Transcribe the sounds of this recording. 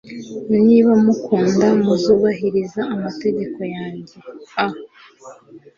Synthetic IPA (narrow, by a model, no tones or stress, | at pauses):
niβamukuːndamuzuβaɦiɾizaːmate̞ɟe̞ko̞jaːɲɟe̞ah